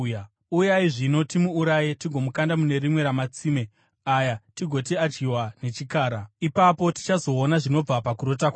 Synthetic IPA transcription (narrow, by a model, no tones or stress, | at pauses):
ujaiʐino̞timuːɾajitiɡʱo̞mukandamune̞ɾimwe̞ɾamat͡siːme̞ | ajatiɡʱo̞t̬iad͡ʒɡiwane̞t͡ʃikaːɾaipapo̞ti̥t͡ʃazo̞ːnaʐino̞b͡vapakuɾo̞takwa